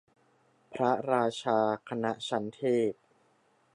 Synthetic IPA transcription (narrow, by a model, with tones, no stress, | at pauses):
pʰɾa˦˥ɾaː˧t͡ɕʰaː˧kʰa˧na˦˥t͡ɕʰa˦˥nt̪ʰeː˥˩p̚